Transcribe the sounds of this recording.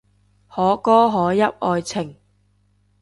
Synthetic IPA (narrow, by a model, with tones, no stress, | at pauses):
hɔː˨˥kɔː˥ɦɔː˨˥jɐ˥p̚ɔː˧jt͡sʰɪ˨˩ŋ